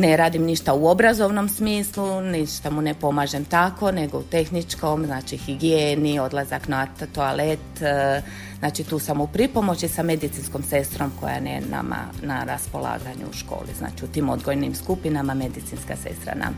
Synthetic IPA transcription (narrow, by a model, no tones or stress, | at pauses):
neɾaːd̪imniʃt̪auo̞bɾazo̞ʋno̞msmiːsluniʃt̪amune̞po̞maːʒe̞mt̪ako̞ne̞ɡo̞ut̪e̞xnit͡ʃko̞mznaːt͡ʃixiɡijeːnio̞d̪lˠazaknat̪oalet̪ | znaːt͡ʃit̪uːsamupɾipo̞mo̞t͡ɕisame̞d̪it̪sinsko̞mse̞st̪ɾo̞mko̞̰ja̰nḛna̰ma̰naɾaspo̞lˠa̰ːɡaɲṵuʃko̞̰ːlḭzna̰ːt͡ʃiut̪iːmo̞d̪ɡojnimskupinamame̞d̪it̪inska̰se̞̰st̪ɾa̰na̰m